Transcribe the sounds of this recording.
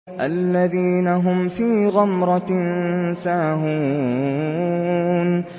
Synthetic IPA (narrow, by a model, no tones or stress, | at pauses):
ʔalːaðiːnaɦʊmfiːɣamɾˤɑ | saːɦuː | n